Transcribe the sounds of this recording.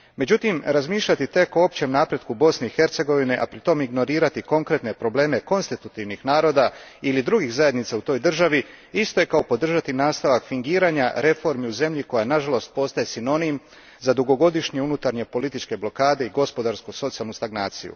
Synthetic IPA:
me̞d͡ʑut̪imɾazmiːʃʎat̪it̪e̞koop̚t͡ɕe̞mnaːpɾe̞d̪kubo̞sne̞ixe̞ɾt̪se̞ɡo̞ʋineʔapɾit̪o̞miɡno̞ɾiːɾat̪iko̞ŋkɾe̞t̪ne̞pɾo̞ble̞ːme̞ko̞nst̪it̪ut̪iʋnixnaːɾo̞ːd̪ailid̪ɾuɡixzaje̞d̪nit̪saut̪o̞ːjd̪r̩ʒaʋi | ist̪o̞je̞kaopo̞d̪r̩ʒat̪inaːst̪aʋakfiŋɡiːɾaːɲaɾe̞fo̞ɾmiuze̞mʎiko̞janaʒalo̞st̪̚po̞st̪aje̞sino̞nim | zad̪uɡo̞ɡo̞d̪iʃɲeunut̪aɾɲe̞po̞lit̪it͡ʃke̞blo̞kaːd̪e̞iɡo̞spo̞d̪aɾskuso̞t̪sijalnust̪aɡnaːt̪sḭjṵ

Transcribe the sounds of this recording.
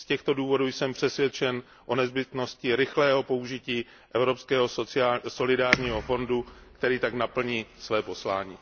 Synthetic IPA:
scɛxt̪o̞duːvo̞duːjsɛmpr̝̥ɛsvʲjɛt͡ʃɛn | ʔo̞nɛzbɪt̪no̞scɪɾɪxlɛːɦo̞po̞uʒɪciː | ʔɛvɾo̞pskɛːɦo̞sɪaso̞lɪdaːɾɲiːɦo̞fo̞ndukt̪ɛɾiːt̪aknapl̩ɲiːsvɛːpo̞slaːɲiː

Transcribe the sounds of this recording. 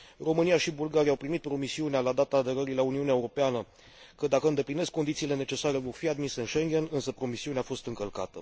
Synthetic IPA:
ro̞mɨnijaʃibulɡaɾijawpɾimit̪̚pɾo̞misiunealad̪at̪aːd̪e̞ɾəɾilauniuneaeuɾo̞peanə | kəd̪akəɨnd̪e̞pline̞skːo̞nd̪it̪siːle̞ne̞t͡ʃe̞saɾe̞vo̞rfiad̪minse̞ɨnʃe̞ŋɡʲe̞nɨnsəpɾo̞misiuneafo̞st̪ɨŋkəlkat̪ə̰

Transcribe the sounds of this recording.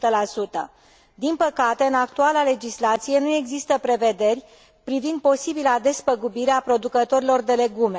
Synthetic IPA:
t̪əlasut̪ə̰ | d̪inpəkat̪e̞ɨnak̚t̪ualale̞d͡ʒislat̪sije̞nue̞ɡzist̪əpɾe̞ve̞d̪e̞rʲ | pɾivind̪̚po̞sibilad̪e̞spəɡubiɾeapɾo̞d̪ukət̪o̞ɾilo̞rd̪e̞le̞ɡume̞

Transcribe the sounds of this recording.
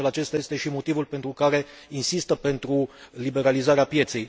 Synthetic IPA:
elat͡ʃe̞st̪aje̞st̪e̞ʃimo̞t̪ivulpe̞nt̪ɾukaɾe̞ | insist̪əpe̞nt̪ɾulibe̞ɾalizaɾeapje̞t̪se̞j

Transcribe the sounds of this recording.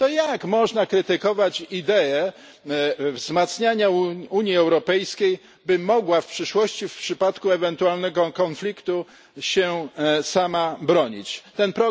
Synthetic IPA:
t̪ɔjakmɔʐnakɾɘt̪ɘkɔvat͡ɕid̪ɛɛ | vzmat̪sɲaɲauuɲjiɛwɾɔpɛjskʲej | bɘmɔɡwafpʂɘʂwɔɕt͡ɕifpʂɘpat̪kuɛvɛnt̪ualnɛɡɔkɔnflʲikt̪u | ɕɛsamabɾɔɲḭt͡ɕt̪ɛnpɾɔ

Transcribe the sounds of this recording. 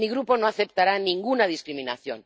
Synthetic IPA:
iɣɾuponoaθep̚t̪aɾanĩŋɡunað̞iskɾimĩnaθjo̰n

